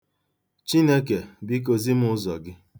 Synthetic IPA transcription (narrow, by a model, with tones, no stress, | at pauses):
t͡ʃi˦ne˦ke˨bi˦k̬o˨zi˦m̩˦ʊ˦zɔ̰˨ɡɪ˦